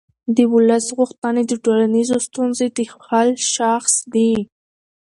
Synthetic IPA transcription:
d̪əwʊləsɣʊxt̪aned̪əʈolanizost̪unzed̪əxalʃɑxsd̪i

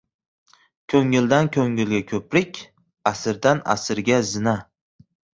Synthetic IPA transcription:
kʲʰɵŋːɪld̪ankʲʰɵŋːɪlɡʲakʲʰɵpɾɪkʲ | asɪɾd̪ana̰sɪɾɡʲazɪna

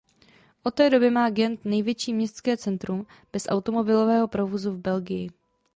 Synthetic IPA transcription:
ʔo̞t̪ːɛːdo̞bɪmaːɡɛnt̪nɛjvjɛt͡ʃiːmɲɛst̪skɛːt͡sɛnt̪ɾum | b̥ɛsʔa̰wt̪o̞mo̞bɪlovɛːɦo̞pɾovuzuvbɛlɡɪjɪ̰

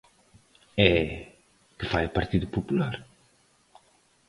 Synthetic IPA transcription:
ɛ | kɪfajpaɾt̪iðupopulaɾ

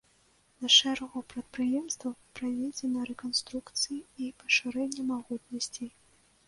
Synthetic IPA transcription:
d̪ɐʂɛrɐɣupɾɐt̪̚pɾɨjɛmst̪vɐpɾavʲɛd͡zʲɛnɐɾɛkɔnst̪ɾukt̪sɨjiipɐʂɨɾɛnʲːɐmaɣut̪nɐsʲt͡sʲi

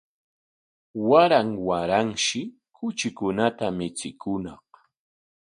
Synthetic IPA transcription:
waɾaŋwaɾaŋʃɪ | kʊt͡ʃɪkʊnat̪amɪt͡sɪkʊnɑχ

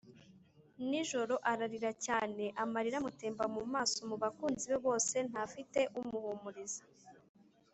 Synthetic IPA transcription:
niʒo̞ɾo̞ʔaɾaɾiɾacaːne̞ʔamaɾiɾamuteːmbamumaːso̞muβakuːnziβeβo̞ːse̞n̥hafite̞ʔumuhuːmuɾezḁ

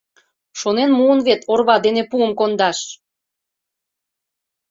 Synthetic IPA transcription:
ʃonenmuənβet̪orβɑd̪enepuəmkond̪ɑʃ

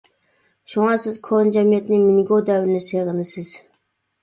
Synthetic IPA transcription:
ɕoŋasʰəzkʰond͡ʑamjet̪̚nimənɡod̪awərnəseʁənəsəs

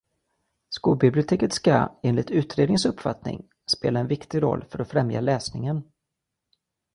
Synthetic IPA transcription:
skuːlbɪblɪʊt̪ʰeːkət̪skaeːnlɪt̪ʉ̟ːt̪ɾeːd̪nɪəŋsɵpːfat̪nɪ̰ŋ | spḛːlaɛnvɪkt̪ɪɡɾɔ̰lːfœɾɔfɾɛmja̰lɛːsnɪŋən

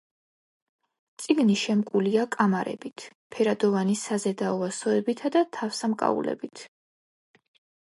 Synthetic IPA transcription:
t̪sʼiɡniʃɛmkʼuliakʼamaɾɛ̰bit̪ʰpʰɛɾad̪ɔvanisazɛd̪auasɔɛbit̪ʰad̪at̪ʰafsamkʼa̰ṵlɛ̰bit̪ʰ

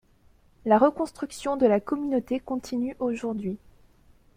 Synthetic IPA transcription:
laʁəkɔ̃st̪χyksjɔ̃d̪əlakɔmynot̪ekɔ̃t̪ʰinyʔoʒuʁd̪ɥi

